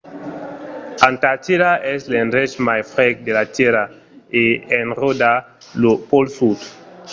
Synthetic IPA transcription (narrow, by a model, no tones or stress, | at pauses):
ãntatiɾaɛslenɾɛt͡ʃmajfɾɛk̚delateɾa | eɛnroda | lopolsut